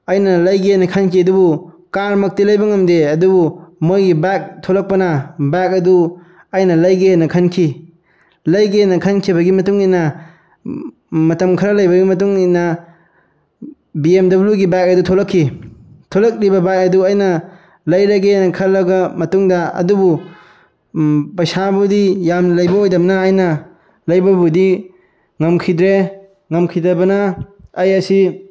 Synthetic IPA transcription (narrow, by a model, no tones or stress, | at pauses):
ɐjnɐlɐjɡenɐkʰɐnkʰiɐdubu | kaɾmɐk̚tilɐjbɐŋɐmdeɐdubumojɡibak̚tʰolɐk̚pɐnɐbak̚ɐdu | ɐjnɐlɐjɡenɐkʰɐnkʰi | lɐjɡenɐkʰɐnkʰibɐɡimɐtuŋinɐ | mɐtɐmkʰɐɾɐlɐjbɐɡimɐt̬uŋinɐ | biemdɐbljuɡibak̚ɐdutʰolɐkʰːitʰolɐk̚libɐbajk̚ɐduɐjnɐ | lɐjɾɐɡenɐkʰɐlːɐɡɐmɐtuŋdɐɐ̰dubu | pɐjsabudijamlɐjbɐojdɐmnɐːjnɐ | lɐjbɐbudi | ŋɐmkʰidɾe | ŋɐmkʰidɐbɐnɐɐjɐsi